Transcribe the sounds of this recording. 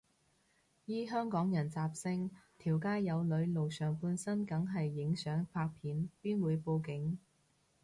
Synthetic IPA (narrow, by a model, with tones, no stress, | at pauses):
jiː˥ɦœː˥ŋkɔː˨˥ŋjɐ˨˩nt͡saː˧p̚sɪ˥ŋt̪ʰiː˨˩wkaː˥jjɐ˨˧wlɵ˨˧˥ɥlo˨wsœː˨˩ŋpuː˨˧nsɐ˥nkɐ˨˥ŋɦɐ˨jːɪ˨˥ŋsœː˨˥ŋfʰaː˧k̚pʰiː˨˥npiː˥nwuː˨˧jpo˧wkɪ˨˥ŋ